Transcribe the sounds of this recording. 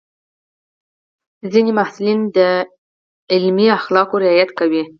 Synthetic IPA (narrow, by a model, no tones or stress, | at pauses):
zinemahsulind̪ə | ɪlmiaxlɑkoɾɪɑjat̪kawi